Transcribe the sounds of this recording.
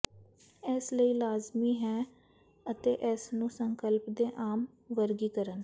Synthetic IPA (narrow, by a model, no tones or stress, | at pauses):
ɛsləiːlaːzmiːɦɛː | ət̪eːʔɛːsnũːsəŋkəlpd̪eːʔaːm | ʋəɾɡiːkəɾən